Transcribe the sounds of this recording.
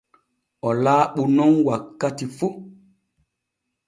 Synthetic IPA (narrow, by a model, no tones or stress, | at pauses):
ɔlaːɓunɔŋwakːatifu